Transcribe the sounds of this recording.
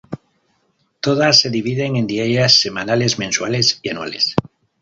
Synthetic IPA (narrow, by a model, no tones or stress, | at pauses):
t̪oð̞asːeðiβ̞iðeŋẽnd̪iajasːe̞manale̞zmẽnswalesianua̰les